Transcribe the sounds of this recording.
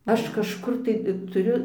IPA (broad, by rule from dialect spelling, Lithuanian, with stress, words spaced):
ˈɐʃ kɐʃˈkʊr tɐɪ tʊˈrʲʊ